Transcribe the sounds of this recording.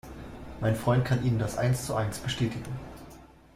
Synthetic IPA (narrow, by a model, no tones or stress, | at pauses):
maɪnfʁ̥ɔʏnt̚kʰanʔiːnəndasʔa̰ɪnst͡suʔaɪnsb̥əʃtʰɛːtʰɪɡŋ̩